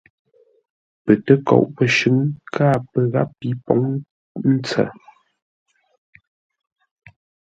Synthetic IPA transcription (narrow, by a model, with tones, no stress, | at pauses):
pə˨tə˦kɔ̰˨˦ʔpə˨ʃʉ˨˦ŋkʰaː˦˨pə˨ɣa˦ppi˨˦pɔ˨˦ŋ | n̩˦t͡sə̰˨